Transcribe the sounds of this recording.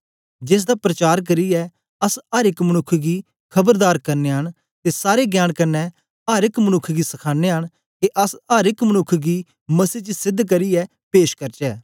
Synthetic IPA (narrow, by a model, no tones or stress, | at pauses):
d͡ʒɪs̬d̪aːpɾɐt͡ʃaːɾk̬ɐɾiɛː | ɐsaːɾɪkmənʊkʰːɡiː | kʰɐbəɾd̪aːɾkɐɾneːɦəñ | t̪eːsaːɾeɡjaːɽkɐnɛ | aːɾɪkmənʊkʰːɡiːsɐkʰaːneːɦəɽ̃ | keʔɐsaːɾɪkmənʊkʰːɡiː | mɐsiːt͡ʃəsɪd̪ʱk̬əɾiɛː | peːʃkəɾt͡ʃɛː